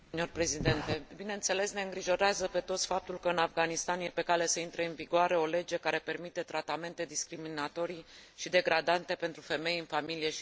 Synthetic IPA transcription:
njorpɾe̞zid̪e̞nt̪e̞bine̞ɨnt̪se̞le̞sne̞ɨŋɡɾiʒo̞ɾeazəpe̞t̪ot̪sʲfap̚t̪ulkəɨnafɡanist̪anje̞pe̞kale̞səint̪ɾe̞ɨnviɡoaɾe̞o̞le̞d͡ʒe̞kaɾe̞pe̞rmit̪e̞t̪ɾat̪ame̞nt̪e̞d̪iskɾiminat̪o̞ɾiʃid̪e̞ɡɾad̪ant̪e̞pent̪ɾufe̞me̞jɨnfamilije̞

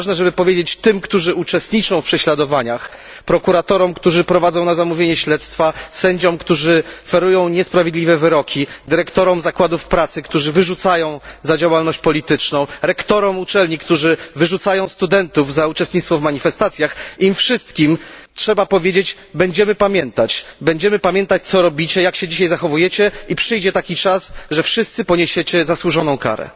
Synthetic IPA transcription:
ʐnɛʐɛbɘpɔvʲjed͡ʑet͡ɕt̪ɘmkt̪uʐɘut͡ʂɛst̪ɲit͡ʂɔ̃w̃fpʂɛɕlad̪ɔvaɲax | pɾɔkuɾat̪ɔɾɔmkt̪uʐɘpɾɔvad̪zɔ̃w̃nazamuvʲjeɲɛɕlɛt̪st̪fasɛɲd͡ʑɔmkt̪uʐɘɔfɛɾujɔ̃w̃ɲɛspɾavʲjed̪lʲivɛvɘɾɔkʲʰid̪ɘɾɛkt̪ɔɾɔmzakwad̪ufpɾat̪sɘkt̪uʐɘvɘʐut̪sajɔ̃w̃zad͡ʑawalnɔɕt͡ɕpɔlʲit̪ɘt͡ʂnɔ̃w̃ɾɛkt̪ɔɾɔmut͡ʂɛlɲikt̪uʐɘvɘʐut̪sajɔ̃w̃st̪ud̪ɛnt̪uvzaut͡ʂɛst̪ɲit̪t̪fɔvmaɲifɛst̪at̪sʲjaximfʂɘst̪kʲim | tʂɛbapɔvʲjed͡ʑet͡ɕ | bɛɲd͡ʑɛmɘpamʲjɛnt̪at͡ɕbɛɲd͡ʑɛmɘpamʲjɛnt̪at͡ɕ̚t̪sɔɾɔbʲit͡ɕɛjakɕɛd͡ʑiɕajzaxɔvujɛt͡ɕɛipʂɘjd͡ʑɛt̪akʲit͡ʂasʐɛfʂɘst̪sɘpɔɲeɕɛt͡ɕɛzaswuʐɔnɔ̃w̃ka̰ɾɛ̰

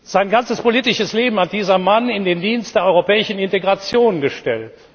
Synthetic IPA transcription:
z̥aɪnɡant͡səspoliːtɪʃəsleːbm̩hat̚d̥iːzɐmanɪndeːndiːnst̚d̥eːɐʔɔʏʁopɛːɪʃn̩ɪnteɡʁat͡sjoːnɡəʃtɛ̰lt

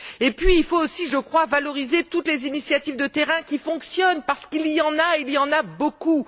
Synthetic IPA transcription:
epɥiːlfoosiʒəkχwavalɔʁizet̪ut̪lezinisjat̪ivd̪ət̪eʁɛ̃kʲifɔ̃ksjɔnpaʁsə̥kilijɑ̃nailijɑ̃naboku

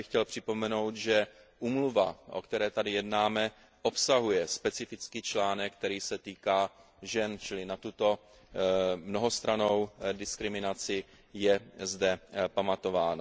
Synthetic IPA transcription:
ɪxcɛlpr̥ɪpo̞mɛno̞wt̪ʒɛ | ʔuːmluva̰ʔo̞̰kt̪ɛɾɛːt̪adɪjɛdnaːmɛ | ʔo̞psaɦujɛspɛt͡sɪfɪt͡skiːt͡ʃlaːnɛk̚kːt̪ɛɾiːsɛt̪iːkaː | ʒɛnt͡ʃɪlɪnat̪ut̪o̞ | mno̞ɦo̞st̪ɾano̞wdɪskɾɪmɪnat͡sɪ | jɛzdɛpamat̪o̞vaːna

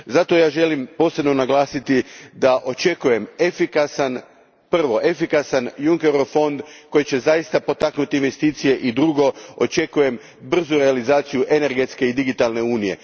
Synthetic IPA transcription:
zat̪o̞jaːʒe̞limpo̞ːse̞bno̞naɡlˠaːsit̪id̪aʔo̞t͡ʃe̞kuje̞mefikasan | pr̩ʋo̞ʔefikasanjuŋke̞ɾofo̞nd̪ko̞jit͡ɕe̞zajist̪apo̞t̪aknut̪inʋe̞st̪iːt̪sije̞ʔid̪ɾuɡo̞o̞̰t͡ʃe̞kuje̞m | br̩zuɾe̞alizaːt̪sijuʔe̞ne̞ɾɡe̞t̪ske̞id̪iɡit̪alˠne̞uːnije̞̰

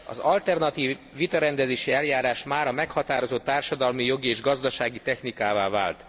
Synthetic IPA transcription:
ɒ̰zɒlt̪ɛrnɒt̪iːvːit̪ɒɾɛnd̪ɛzeːʃiɛljaːɾaːʃmaːɾɒmɛkhɒt̪aːɾo̞zot̪ːaːrʃɒd̪ɒlmijo̞ɡieːʒɡɒzd̪ɒʃaːɡit̪ɛxnikaːvaːva̰ːlt̪

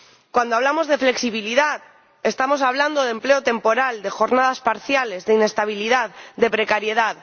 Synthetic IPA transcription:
kwand̪oaβlamo̞zðe̞fle̞ksiβ̞iliðað | e̞st̪amo̞saβ̞land̪oð̞e̞mple̞ot̪e̞mpo̞ɾald̪e̞xo̞ɾnað̞aspaɾθjale̞zðeine̞st̪aβ̞iliðaðd̪e̞pɾe̞kaɾje̞ðað

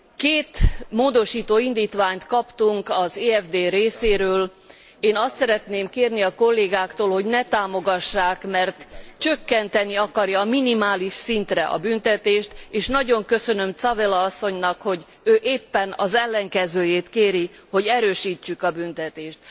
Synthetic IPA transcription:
keːt̪moːd̪o̞ʃiːt̪oːind̪iːt̪ʋaːɲt̪kɒpt̪uŋkɒzeːɛvd̪eːɾeːseːɾøːl | eːnɒst̪sɛɾɛt̪neːmkeːrniɒko̞lːeːɡaːkt̪oːlho̞ɟnɛt̪aːmo̞ɡɒʃːaːkmɛrt̪t͡ʃø̞kːɛnt̪ɛniɒkɒrjɒːminimaːliʃsint̪rɛʔɒ̰bynt̪ɛt̪eːʃt̪eːʃnɒɟo̞ŋkø̞sø̞nø̞mt̪sɒvelɒɒsːo̞ɲnɒkho̞ɟ | øːʔeːpːɛnɒzɛlːɛŋkɛzøːjeːt̪keːɾi | ho̞ɟɛɾøːʃiːt͡ʃːykɒbynt̪ɛt̪eːʃt̪̚

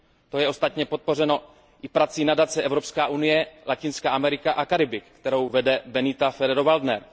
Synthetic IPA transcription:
t̪o̞jɛʔo̞st̪at̪ɲɛpot̪̚po̞r̝ɛno̞ | ʔɪpɾat͡sinadat͡sɛʔɛvɾo̞pskaːʔunɪjɛlacɪnskaːʔamɛɾɪkaʔakaɾɪbɪkkt̪ɛɾo̞wvɛdɛbɛnɪt̪afɛɾɛdovaldnɛɾ

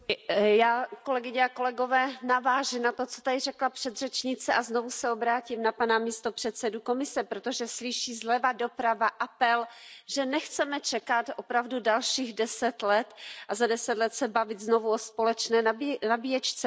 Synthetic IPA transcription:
jaːko̞lɛɡɪɲɛako̞lɛɡo̞vɛːnavaːʒɪnat̪o̞t͡so̞̥t̪adɪrɛklapr̥ɛd̪rɛt͡ʃɲɪt͡sɛʔaznovusɛo̞bɾaːcimnapanamiːst̪o̞pr̝̥ɛt̪sɛduko̞mɪsɛpɾot̪o̞ʒɛslɪʃiːzlɛvado̞pɾavaʔapɛlʒɛnɛxt͡sɛmɛt͡ʃɛkat̪o̞pɾavdudalʃiːɣdɛsɛt̪lɛt̪ʔazadɛsɛt̪lɛt̪sɛbavɪt̪zno̞vuospolɛt͡ʃnɛːnabijɛt͡ʃt͡sɛ

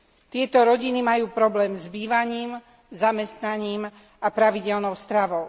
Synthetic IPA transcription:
t̪ɪɛt̪ɔɾɔɟinimajuːpɾɔblɛːmzbiːʋaɲiːm | zamɛst̪naɲiːm | apɾaʋiɟɛlnɔʊst̪ɾaʋɔʊ

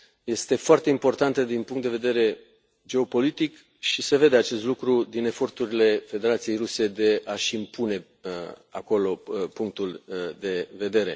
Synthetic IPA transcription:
je̞st̪e̞foart̪e̞impo̞rt̪ant̪əd̪inpuŋkt̪d̪e̞ve̞d̪e̞ɾe̞ | d͡ʒe̞o̞po̞lit̪ik | ʃise̞ve̞d̪e̞at͡ʃe̞st̪lukɾud̪ine̞fo̞rt̪uɾile̞fe̞d̪e̞ɾat̪sije̞jɾuse̞d̪e̞aʃimpune̞ | a̰ko̞lo̞puŋk̚t̪uld̪e̞ve̞d̪e̞ɾe̞̰

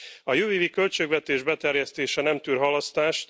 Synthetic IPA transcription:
ɒjøːviːvikø̞lt͡ʃøːɡvɛt̪eːʒbɛt̪ɛrjɛst̪eːʃɛnɛmt̪yːrɦɒlɒst̪aːʃt̪

